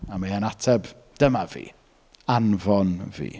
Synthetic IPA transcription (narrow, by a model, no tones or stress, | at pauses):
amaanatʰɛb | d̥əmavḭː | anvɔnvḭː